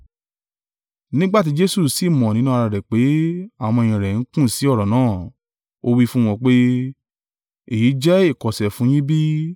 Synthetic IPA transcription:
nĩ˦ɡ͡ba˦t̬i˨˦d͡ʒe˦su˦˨si˨mɔ̃˨nĩ˦nũ˦a˧a˧˨ɾɛ˨k͡pe˨˦a˦˨w̃ɔ̃˧e˨j̃ĩ˨ɾɛ˨n̩˨˦kũ˦˨si˨˦ɔ˦˨ɾɔ˨nãː˨˦˨ | o˧wi˦fũ˦w̃ɔ̃˧k͡pe˦ | e˦˨ji˨˦d͡ʒɛ˦e˦˨kɔ˨sɛ˨fũ˨˦j̃ĩ˦bi˦

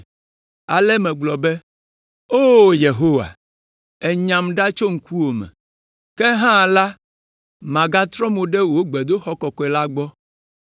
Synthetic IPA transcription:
a˨lɛ˦mɛ̃˨ɡ͡blɔ˨bɛ˦ | o˦je˨ɦo˦wa̰˨ | ɛ˨ɲã˨mɖa˦t͡ʃo˦ŋ̩˦ku˦wo˨mɛ̰̃˨ | kɛ˦ɦã˦˨la˦ | mã˨ɡa˦t̪ɾɔ̃˦mo˨ɖɛ˦wo˦ɡ͡bɛ˨d̪o˦xɔ˦kɔ˨kɔ˨˦ɛ˨la˦ɡ͡bɔ˦

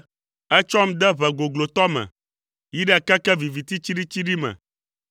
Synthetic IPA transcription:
ɛ˦t͡ʃɔ˦m˦d̪ɛ˦βɛ˨ɡo˨ɡlo˨t̪ɔ˦mɛ̰̃˨ | ji˦ɖɛ˦a˨kɛ˦kɛ˦vi˨vi˨t̪i˦t͡ɕi˦ɖi˦t͡ɕi˦ɖi˦mɛ̰̃˨

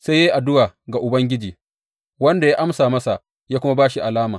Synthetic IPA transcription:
se˦je˦ʔa˨dʊ˦waː˨ɡa˨ʔʊ˨bɐ˦ŋɡʲɪ˦d͡ʒiː˨ | wɐ˦nda˨jaː˦ʔa˦msaː˨mɐ˦sa˨ʔ | jaː˦kʷʊ˦ma˦baː˦ʃi˨ʔa˨laː˦maː˨

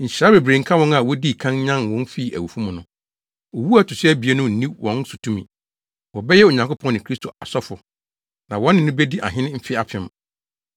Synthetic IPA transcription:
ɲ̩˨ɕi˨ɾa˦be˨bɾẽ˨ŋ̩˦kʰa˦wɔ̃˦na˨wɔ˦di˦˨kʰã˦nɲã˦nwɔ̃˦n˦fi˦˨æ̰˨wu˨fũ˦mʊ̃˨nʊ̃˨˦ | ɔ˨wu˦a˨tʰʊ˨sɪ˦æ˦bi˨e˦nʊ̃˦n̩˦nĩ˦wʔɔ̃˦n˦sʊ˨tʰũ˦mĩ˨ | wɔ˨bɛ˦jɛ˦o˨ɲã˨ŋkʊ˦pʰɔ̃˦nɪ̃˨kʰɾi˦stʰo˨a˨sɔ˦fʊ˨ | nã˨wɔ̃˦nːɪ̃˨nʊ̃˦bɛ˦di˦ʔa̰˨ɦɪ̃˦nɪ̃˦m̩˦fɪ˦a˨pʰɪ̃˦m

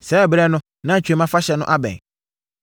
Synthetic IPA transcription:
sɛ˨˦˨bɾɛ˦nʊ̃˦ | nã˦˨t͡ɕʰᶣɛ˨˦mã˦fa˦ɕɛ˨nʊ̃˦ʔa˦bɛ̰̃˨n

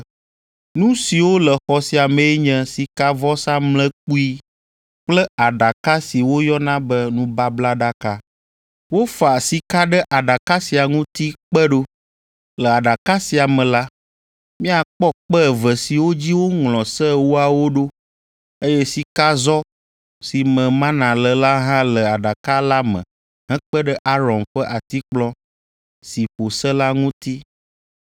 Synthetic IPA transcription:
nũ˦si˨wo˦lɛ˨xɔ˨si˨a˨mɛ̃˨ɛ˦ɲɛ̃˦si˨ka˦vɔ˦sa˦mlɛ̃˦k͡pu˦i˦ | k͡plɛ˦a˨ɖa˨ka˦si˨wo˦jɔ˦nã˦bɛ˦nũ˦ba˦bla˦ɖa˦ka˦ | wo˦fa˨si˨ka˦ɖɛ˦ʔa˨ɖa˨ka˦si˨a˨ŋũ˦t̪i˦k͡pɛ˦ɖo˦ | lə˨a˨ɖa˨ka˦si˨a˨mɛ̃˨la˦ | mĩ˦a˨k͡pɔ˦k͡pɛ˦˨və˨si˨wo˦d͡ʑi˦wo˦ŋlɔ̃˨sɛ˦wu˦a˨wo˦ɖo˦ | e˦jɛ˦si˨ka˦zɔ˦ | si˨mə̃˨mã˦nã˨lə˨la˦ɦã˦lə˨a˨ɖa˨ka˦la˦mə̰̃˨ | ɦɛ̃˦k͡pə˦ɖə˦ʔa˦ɾɔ̃˨mɸə˦ʔa˨t̪i˦k͡plɔ̃˦ | si˨ɸo˨sɛ˦la˦ŋũ˦t̪i˦

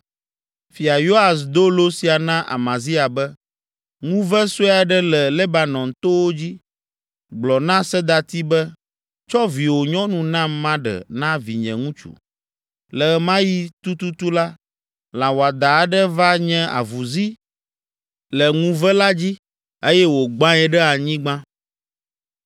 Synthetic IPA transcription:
fi˨a˨jo˦a˨sd̪o˦lo˦si˨a˨nã˦ʔa̰˨mã˨zi˦a˨bɛ˦ | ŋũ˦vɛ˦so˦a˨ɖɛ˦lɛ˨le˦ba˨nɔ̃˨nt̪o˦wo˦d͡ʑi˦ | ɡ͡blɔ˨nã˦sɛ˦d̪a˨t̪i˦bɛ˦ | t͡ʃɔ˦vi˨wo˨ɲɔ̃˦nũ˨nã˦mmã˦ɖɛ̰˨nã˦vḭ˨ɲɛ̰̃˨ŋũ˦t͡ʃṵ˨ | lɛ˨˦mã˦ji˦t̪u˦t̪u˦t̪u˦la˦ | lã˨wo˨a˨d̪a˨ɖɛ˦va˦ɲɛ̃˦a̰˨vu˨zi˦ | lɛ˨ŋũ˦vɛ˦la˦d͡ʑi˦ | e˦jɛ˦wo˨ɡ͡bã˦ɛ˦ɖɛ˦a˨ɲĩ˦ɡ͡bã˦

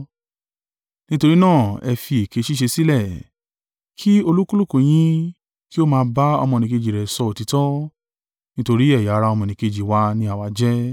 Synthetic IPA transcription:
nĩ˦to˧ɾi˦nãː˦˨ɛ˧fi˧e˨ke˨˧˦ʃi˦ʃ̬e˧si˦lɛ˦˨ | kʰi˦o˧lu˦ku˦lu˦˨kũ˨j̃ĩ˦ | ki˦o˦mãː˧ba˦ɔ̰˧mɔ̃˧nĩ˧ke˧d͡ʒi˨ɾɛ˨sɔ˧o˨ti˨˧tɔ˦ | nĩ˦to˧ɾi˦ɛ˦˨ja˨˦˧ɾa˧ɔ˧mɔ̃˧nĩ˨˧ke˧d͡ʒi˨wa˧nĩ˧a˨wa˧d͡ʒɛ˦

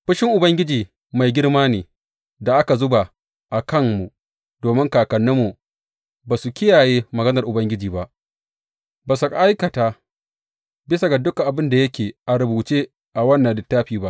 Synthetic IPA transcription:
ɸɪ˦ʃɪ˦ŋʔʊ˨bɐ˦ŋɡʲɪ˦d͡ʒiː˨ | ma˨jɡʲɪ˦rmaː˦neː˨ | da˨ʔa˦ka˨zʊ˦ba˨ | ʔa˨kɐ˦mmu˨ | doː˨mɪ˦ŋkaː˨kɐ˨nːʊ˦mːu˨ | baː˨su˨kʲɪ˦jaː˨jeː˦mɐ˨ɡɐ˦nɐ˨rʔʊ˨bɐ˦ŋɡʲɪ˦d͡ʒiː˨ba˦ʔ | baː˨su˨kʼa˦ʔa˦jkɐ˨taː˦ | bɪ˦sa˨ɡa˨dʊ˦ka˨ʔa˨bɪ˦nda˨jɐ˦kʲeː˨ʔa˨ɾʊ˨buː˨t͡ʃeː˦ | ʔa˨wɐ˦nːɐ˨ndɪ˨tːaː˦ɸiː˨ba˦ʔ

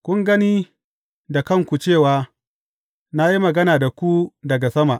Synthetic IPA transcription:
kʷʊ˦ŋɡɐ˦niː˦ | da˨kɐ˦˨ŋkʷu˨t͡ʃeː˦˨waː˨ | na˦ji˦mɐ˨ɡɐ˦naː˨da˨kʷu˦dɐ˨ɡa˨sɐ˦ma˨ʔ

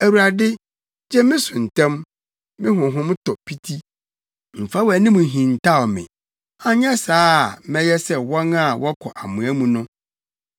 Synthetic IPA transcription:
æ˨wu˨ɾa˨dɪ˦ | d͡ʑɛ˦mɪ̃˦sʊ̃˨n̩˨tʰã˦m | mɪ̃˦ɦʊ̃˨ɦʊ̃˦mtʰɔ˨pʰi˦tʰi˦ | m̩˨fa˦wæ˨nĩ˦mũ˨ɦĩ˨n˨tʰa˦˨ɔ˨mɪ̰̃˨ | ã˨ɲɛ˦saː˦˨mɛ̃˦jɛ˦sɛ˦wɔ̃˦na˦˨wɔ˦kʰɔ˨ʔa˨mʊ̃˨æ˦mũ˨nʊ̃˦

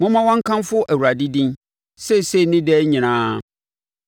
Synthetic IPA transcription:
mʊ̃˦mã˦wɔ̃˦ŋ̩˦kʰã˦mfʊ˦ʔæ˨wu˨ɾa˨di˦dĩ˦n | sɛ˦se˦˨nɪ̃˦dɛ˦ɲĩ˨nãː˦

